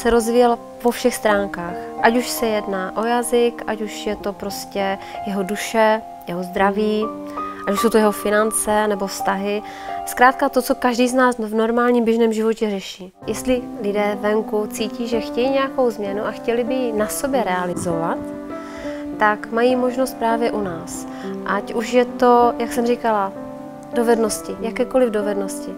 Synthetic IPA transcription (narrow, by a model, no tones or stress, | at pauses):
sɛɾo̞zvijɛl | po̞fʃɛxst̪ɾaːŋkaːxʔacuʃsɛjɛdnaʔo̞jazɪkʔacuʃjɛt̪o̞pɾo̞scɛjɛɦoduʃɛ | jɛɦozd̪ɾaviː | ʔacuʃsowt̪ojɛɦo̞fɪnant͡sɛnɛbo̞fst̪aɦɪ | skɾaːt̪̚kat̪o̞t͡so̞kaʒdiːznaːsvno̞ɾmaːlɲiːmbjɛʒnɛːmʒɪvo̞cɛrɛʃiː | jɛst̪lɪ | lɪdɛːvɛŋkut͡siːciːʒɛxcɛjiːɲɛjako̞wzmɲɛnuʔaxcɛlɪbɪjɪnaso̞bjɛɾɛalɪzo̞vat̪ː | akmajiːmo̞ʒno̞st̪̚pɾaːvjɛʔunaːs | ʔacʔuʃjɛt̪o̞jaksɛmrikala | do̞vɛdno̞scɪjakɛːko̞lɪvdo̞vɛdno̞scɪ